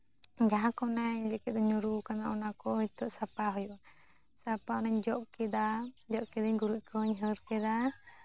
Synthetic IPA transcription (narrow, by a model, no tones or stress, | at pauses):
d͡ʒaɦãkɔnaɲlɛkɛt̪̚d̪ɔɲɔɾukanaʔɔnakɔɦit̪ɔʔsapaɦujuʔ | sapaɔnaɲd͡ʒɔʔkɛd̪ad͡ʒɔʔkɛd̪aɲɡuɾuc̚ˀkʰɔɲɦəɾkɛd̪a